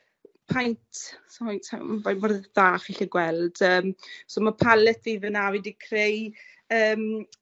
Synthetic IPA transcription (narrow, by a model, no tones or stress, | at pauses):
pʰajntʰsamasʰavajmɔrðaːχiɬiɡwɛlˠd̥əːmsɔːmapʰalɛtðivənavidikʰrej | əːm